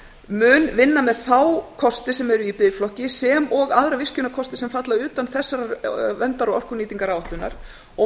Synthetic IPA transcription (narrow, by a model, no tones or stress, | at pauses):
mʏnvɪnːamɛðθawkʰɔst̪ɪsɛmɛɾʏipɪðjɪflɔhcɪsɛmɔɣaðɾavɪscʏnakʰɔst̪ɪ̥sɛmfat̪laʏːt̪anθɛsːaɾavɛnt̪aɾɔɔr̥kʏniːt̪iŋkaɾaːwaht̪ʏnːa̰ɾ̥ | ɔ